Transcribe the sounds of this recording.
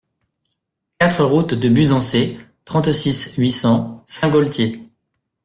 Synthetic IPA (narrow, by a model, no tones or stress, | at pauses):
kat̪χəʁut̪d̪əbyzɑ̃se | t̪χɑ̃t̪sisɥisɑ̃sɛ̃ɡɔlt̪je